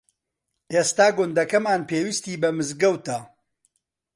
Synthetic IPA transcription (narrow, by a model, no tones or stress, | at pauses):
ʔeːst̪aːɡʊnd̪ɐkɐmaːnpeːwist̪iːbɐmɨzɡɐwt̪ɐ